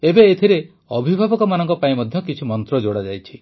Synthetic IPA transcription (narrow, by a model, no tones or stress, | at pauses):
ebeːt̪ʰiɾe | ɔbʱibʱabɔkɔmanɔŋkɔpaĩmɔd̪ʱjɔkit͡ʃʰumɔnt̪ɾɔd͡ʒoɽad͡ʒajt͡ʃʰi